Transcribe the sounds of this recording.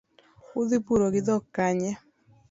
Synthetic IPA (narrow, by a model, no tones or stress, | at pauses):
ʊðɪpuɾoɡɪd̪ɔkaɲɛ